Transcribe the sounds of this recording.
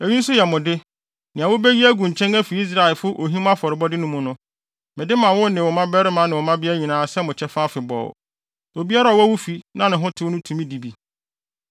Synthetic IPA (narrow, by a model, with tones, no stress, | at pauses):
e˨ɲi˦n̩˦sʊ˦jɛ˨mʊ̃˨dɪ˦ | nɪ̃˨a˨wʊ˦bɛ˦ji˦æ˦ɡũ˨ɲ̩˨t͡ɕʰɛ̃˦næ˦fi˨i˦s̬ɾa˨lfʊ˦ʔo˨ɦĩ˦mã˦fɔ˨ɾɪ˨bɔ˦dɪ˦nʊ̃˦mʊ̃˦nʊ̃˦ | mɪ̃˨dɪ˦mã˨wʊ̃˦nɪ̃˨wʊ˨mã˦bɛ˦ɾɪ˦mã˨˦nɪ̃˨wʊ˨mã˦bɪ˦æ˦ɲĩ˨nãː˨˦sɛ˦mʊ̃˨t͡ɕʰɛ˦fa˦fɪ˨bɔ̰˨w̰ | o˨bi˦a˦ɾa˦˨wɔ˦wʊ˦fi˨nã˦nɪ̃˨ɦʊ̃˦tʰɪ˦wʊ̃˦tʰũ˨mĩ˦di˨bi˨